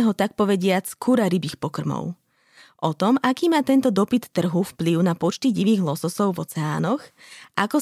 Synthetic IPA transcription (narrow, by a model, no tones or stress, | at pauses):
ɛɦɔt̪ak̚pɔʋɛɟɪat͡skʰuɾaɾibiːxpɔkr̩mɔ̰ʊ | ʔɔt̪ɔmʔakiːmaːt̪ɛnt̪ɔd̪ɔpit̪ːr̩ɦufpliʊnapɔt͡ʃt̪iɟiʋiːɣlɔsɔsɔʊvɔ̰t͡sɛa̰ːnɔxʔakɔ